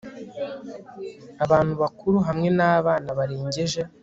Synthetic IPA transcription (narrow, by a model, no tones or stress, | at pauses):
aβaːn̥huβakuɾuɦamŋe̞naːβaːnaβaɾiːɲɟeʒe̞